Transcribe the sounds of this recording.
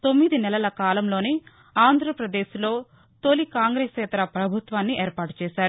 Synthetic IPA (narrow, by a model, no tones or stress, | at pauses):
t̪o̞mːid̪inɛlɐlɐkaːlɐmlo̞ːne | aːnd̪ʱɾɐpɾɐd̪eːslo̞ː | t̪olikaːŋɡɾeːsɛːt̪ɐɾɐpɾɐbʱut̪ʋaːnːiʔeːɾpaːʈu̥t͡ʃɛːʃaːɾu